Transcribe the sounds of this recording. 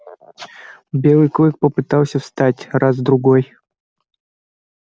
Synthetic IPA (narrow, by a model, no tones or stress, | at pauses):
bʲelˠɨjklˠɨk̚pəpɨt̪alˠsʲəfst̪atʲrazd̪ɾʊɡoj